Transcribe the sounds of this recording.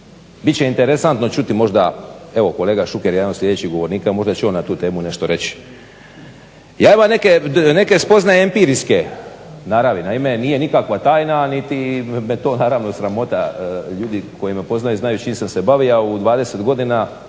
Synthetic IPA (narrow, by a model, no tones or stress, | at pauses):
bit̪t͡ɕe̞int̪eɾesant̪no̞t͡ʃut̪imo̞ʒd̪ae̞ʋo̞ko̞leːɡaʃukeɾjed̪anoslʲʎe̞d̪et͡ɕiɦɡo̞ʋo̞ɾniːkamo̞ʒd̪at͡ʃuonat̪uːt̪e̞ːmune̞ʃt̪o̞ɾe̞t͡ɕi̥ | jaːimane̞kene̞ke̞spo̞znajeempiɾiske̞ | naːɾaʋinaime̞niːje̞nikakʋat̪aːjnanit̪imet̪o̞ːnaːɾaʋnosɾamo̞t̪aʎuːd̪iko̞jimepo̞znajuznajut͡ʃiːmsamse̞baʋiaud̪ʋaːd̪eset̪ɡo̞d̪ina